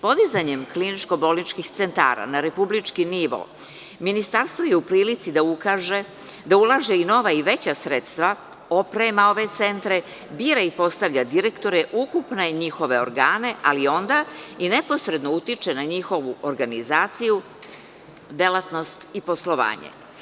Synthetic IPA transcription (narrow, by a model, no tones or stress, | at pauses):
po̞d̪izaɲe̞mklinit͡ʃko̞bo̞lˠnit͡ʃkixt̪se̞nt̪a̰ːɾa̰naɾe̞publit͡ʃkiniʋo̰ | minist̪aɾst̪ʋo̞jeupɾiːlit̪sid̪aukaʒe | d̪aulˠaːʒeino̞ʋaiʋe̞t͡ɕasɾe̞t̪st̪ʋa | o̞pɾemao̞ʋe̞t̪se̞nt̪ɾe̞ | biːɾaipo̞st̪aʋʎad̪iɾekt̪o̞ɾeʔukupne̞ɲixo̞ʋe̞o̰ɾɡaːne̞ʔalio̞nd̪aine̞po̞sɾe̞d̪nout̪it͡ʃe̞naɲixo̞ʋuʔoɾɡanizaːt̪siju | d̪e̞lˠat̪no̞st̪ipo̞slo̞ʋa̰ːɲḛ